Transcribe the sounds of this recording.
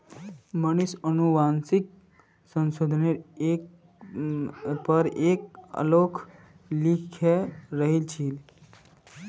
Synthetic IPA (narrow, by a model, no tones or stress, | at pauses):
mənisənuʋaːnsik̚ | sənsoːd̪ʱəneɾek | pəɾeːkə̰loːkʰ | likʰeɾəɦilt͡ʃʰil